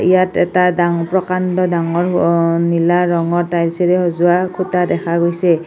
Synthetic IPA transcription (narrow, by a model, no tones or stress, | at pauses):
ijatɛ̰tadaŋpɹɔkantɔdaŋɔɹnilaɹɔŋɔtajlseɹɛhozuakʰutadɛkʰaɡojsɛ